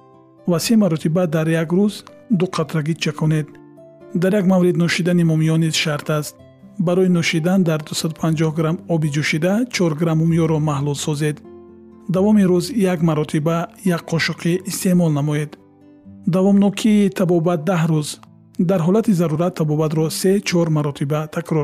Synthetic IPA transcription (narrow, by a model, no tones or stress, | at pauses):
vasemaɾɔt̪ʰibad̪aɾjaɡɾuz | d̪uqʰat̪ɾaɡit͡ʃʰakʰɔne̞d̪ | d̪aɾjaɡmavɾid̪nɔʃid̪animɔmijɔnizʃaɾt̪ʰast̪̚ | baɾɔinɔʃid̪and̪aɾd̪usad̪upʰand͡ʒɔhɡɾamɔbid͡ʒuʃid̪at͡ʃʰɔɾɡɾamumijɔɾɔmahlulsɔze̞d̪ | d̪avɔmiɾuzjaɡmaɾɔt̪ʰibajakqʰɔʃuqʰiʔːst̪e̞mɔlnamɔed̪ː | avɔmnɔkʰiːt̪ʰabɔbat̪̚d̪ahɾuz | d̪aɾɦɔlat̪ʰizaɾuɾat̪ʰːabɔbat̪ɾɔse̞t͡ʃʰɔɾmaɾɔt̪ʰibat̪ʰakɾɔɾ